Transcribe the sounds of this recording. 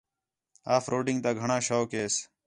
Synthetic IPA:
aːfɾoːɖɪ̃ŋɡt̪aːɡʱəɳãːʃoːkeːs

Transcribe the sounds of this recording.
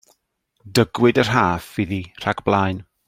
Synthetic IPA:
dəɡwɪdər̥ɦaːfviðir̥aɡb̥lˠajn

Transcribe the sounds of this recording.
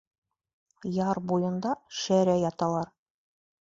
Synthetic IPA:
jɑɾbujɤ̆nd̪ɑʃæɾæjɑt̪ɑlˠɑɾ

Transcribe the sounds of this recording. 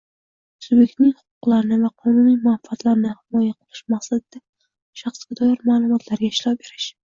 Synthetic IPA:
ʊ̥sʊzbje̞k̚ʲt̪nɪŋhʊ̥qʊ̥qlˠaɾɪnɪvaqʰɒnʊnijmʊafat̪laɾnɪhɪmɒjaqʰɨlˠɪʃmaqsad̪ɪd̪̥a | ʃɑχsɡʲad̪ɒjaɾmaːlˠʊmɒt̪ʰlaɾɡʲaɪʃlɒp̚be̞ɾɪʃ

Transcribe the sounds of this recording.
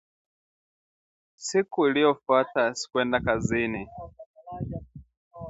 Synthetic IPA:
sikuilijɔfwatasi̥kwɛndakazini

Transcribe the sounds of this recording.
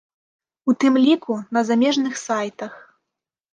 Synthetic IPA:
ut̪ɨmlʲikunɐzamʲɛʐnɨxsajt̪ɐx

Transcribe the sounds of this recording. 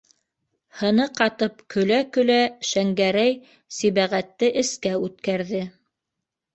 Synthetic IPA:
hɤ̆nɤqɑt̪ɤpkʰɵ̆lækɵ̆læʃæŋɡæɾæj | siβæʁæt̪ːɘʔɘ̆skæʉt̪kæɾðɘ

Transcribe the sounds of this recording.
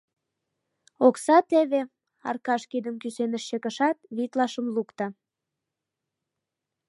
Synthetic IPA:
oksɑt̪eβe | ɑ̰rkɑʃkid̪əmkysenəʃɕekəʃɑt̪̚βit̪lɑʃəmlukt̪ɑ

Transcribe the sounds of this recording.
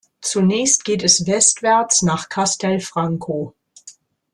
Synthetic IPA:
t͡sunɛːçst̚ɡ̥eːtɛsvɛstv̥ɛɐt͡snaːχkʰastʰɛlfʁ̥aŋkʰoː

